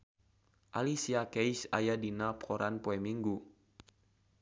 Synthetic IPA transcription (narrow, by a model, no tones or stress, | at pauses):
ʔalisiakɛjsa̰jadinapkɔɾʔanpoɛmiŋɡu